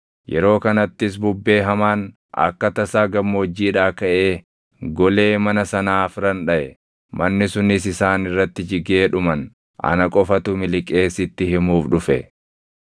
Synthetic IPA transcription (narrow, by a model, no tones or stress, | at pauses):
jɛ̰ɾo̞ːkɐnɐt̪ːɪs̬bʊbːe̞ːɦɐmaːn | ʔɐ̰kːɐt̪ɐsaːɡɐmːoːd͡ʒːiːᶑaːkɐʔe̞ː | ɡɔle̞ːmɐnɐsɐnaːfɾɐnᶑɐʔɛ | mɐnːɪsʊnɪsɪsaːnɪrːɐt̪ːɪd͡ʒɪɡe̞ːᶑʊmɐn | ʔɐ̰nɐkʼɔfɐt̪ʊmɪlɪkʼe̞ːsɪt̪ːɪhɪmuːfᶑʊfɛ